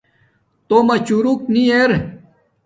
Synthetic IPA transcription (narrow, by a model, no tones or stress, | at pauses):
t̪omɐt͡ɕuɾuknieɾ